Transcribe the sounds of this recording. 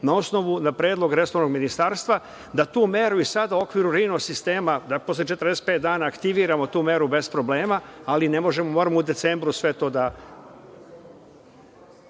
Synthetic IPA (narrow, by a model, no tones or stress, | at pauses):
nao̞sno̞ʋunapɾeːd̪lˠo̞ɡɾe̞soʋno̞ɡminist̪aːɾst̪ʋa | d̪at̪uːme̞ɾuisad̪auo̞kʋiɾuɾinosist̪e̞ːmad̪apo̞slˠet͡ʃet̪əɾd̪ese̥t̪pet̪d̪aːnaːkt̪iʋiːɾamo̞t̪uːme̞ɾube̞spɾo̞ble̞ːmaaline̞mo̞ʒe̞momo̞ːɾamoud̪e̞t̪se̞mbɾusʋe̞t̪o̞ːd̪a